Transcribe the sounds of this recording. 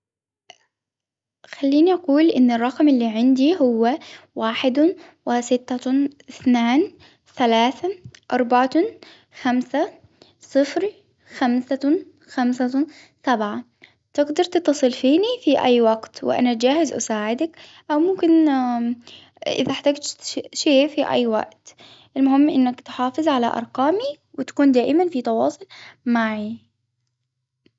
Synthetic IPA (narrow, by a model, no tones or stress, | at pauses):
xalːiːniʔaquːlʔɪnːɪrˤːɑqmɪlːiːʕɪnd̪iɦʊwːawaːħɪd̪ | wɪsɪt̪ːaɪθnaːn | θalaːθaʔɑɾˤbaʕa | xamsa | sˤɨfɾ | xamsa | xamsa | sabʕa | t̪ɪɡd̪ɑɾˤt̪ɨt̪ːɑsˤɨlfiːnifiʔa̰jːwaɡt̪wɪ̰ʔa̰nad͡ʒaːhɪzʔa̰saːʕɪd̪ak | ʔawmʊmkɪn | ʔɪ̰ðaħt̪aːɡt̪ʃeːfiʔa̰jːwa̰ʔt̪ | ʔɪlmʊhɪmːʔɪ̰nːakt̪ħɑːfɨzˤʕala̰ʔɑ̰ɾˤqɑːmi | wɪt̪ḁkuːnd̪aːʔɪmanfit̪ɑwɑːsˤʊlmaʕi